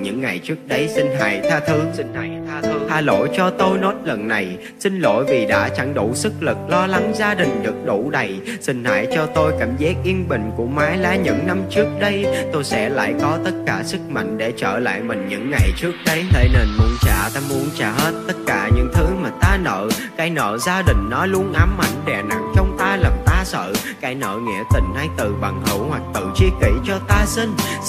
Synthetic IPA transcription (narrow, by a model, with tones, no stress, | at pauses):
ɲɨ̰˧˥ŋːa˨˩jt͡ɕɨ˦˥ək̚ɗə˨˧jsï˧ŋ̟ɦa̰˨˧˩jt̪ʰaː˧t̪ʰɨ˨˦əsi˧ŋ̟a˧˨jt̪ʰa˧˨˧t̪ʰaː˧lo̰˧˨jt͡ɕɔ˧t̪o˧jno˦˥t̚lə˨˩nːa˨˩j | sï˧ŋ̟lo̰˧˨jvi˨˩ɗa̰ː˧˥t͡ɕa˧˩ŋɗṵ˧˩sɨ˦˥k̚lɨ˨˩k̚lɔ˧la˨˦ŋzaː˧ɗï˨˩ŋ̟ɗɨ˨˩ək̚ɗu˧˩ɗə˨˩j | sï˧ŋ̟ha̰ː˧˩jt͡ɕɔ˧t̪o˧jkaː˧˩mzaː˦˥k̚ʔi˧ənɓï˨˩ŋ̟ku˧˩əmaː˨˦jlaː˨˦ɲɨ̰˧˥ŋna˧mt͡ɕɨ˦˥ək̚ɗə˧jt̪o˧jsɛ̰˧˥la̰ː˧˨jkɔ˨˦t̪ə˦˥t̚kaː˧˩sɨ˦˥k̚ma̰˧˨jŋ̟ɗe˧˩t͡ɕəː˧˩la̰ː˧˨jmï˨˩ŋ̟ɲɨ̰˧˥ŋːa˨˩jt͡ɕɨ˦˥ək̚ɗə˧jt̪ʰe˨˧˦ne˧nmu˨˦ənt͡ɕaː˧˩t̪aː˧mu˨˦ənt͡ɕaː˧˩he˦˥t̚t̪ə˦˥t̚kaː˧˩ɲɨ̰˧˥ŋt̪ʰɨ˨˦maː˨˩t̪aː˧nə̰ː˧˨ | kaː˨˦jnə̰ː˧˨zaː˧ɗï˨˩ŋ̟nɔ˨˦lu˧ənʔaː˨˦mːa˨˩jŋɗɛ˨˩na˨˩ŋt͡ɕɔ˧wŋ͡mt̪aː˧laː˨˩mt̪aː˧sə̰ː˧˨ | kaː˨˦jnə̰ː˧˨ŋɛ̰˧˩ət̪ï˧˨˩ŋ̟ha˧jt̪ɨ˨˩ɓa̰˧˨˩ŋhɨ˧˩˥whwa˨˩k̚t̪ɨ̰˧˨˩t͡ɕi˧əkḭ˧˩t͡ɕɔ˧t̪aː˧sï˧ŋ̟